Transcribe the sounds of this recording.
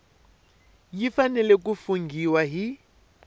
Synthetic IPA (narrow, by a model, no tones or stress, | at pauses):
jifanɛlɛk̬ufuŋɡʱiwaɦi